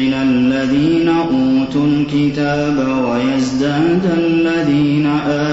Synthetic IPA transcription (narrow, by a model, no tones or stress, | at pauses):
ɪnalːaðiːnaʔuːt̪ʊlkɪt̪aːbawajasd̪aːd̪alːaðiːnaʔaː